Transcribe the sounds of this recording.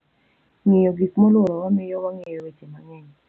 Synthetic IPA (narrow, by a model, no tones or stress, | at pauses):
ŋɪjoɡikmɔlwoɾɔwamɪjɔwaŋejowet͡ʃemaŋɛɲ